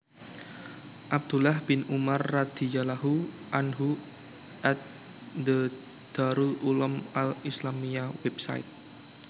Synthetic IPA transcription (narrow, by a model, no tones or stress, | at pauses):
ʔab̚d̪̥ulahbɪnumarːad̪̥i̤jalaɦu | ʔanɦu | ʔɛt̪̚ | d̪ə | d̪̥aɾuʔulɔmalislamiawɛbsa̰ḭt̪̚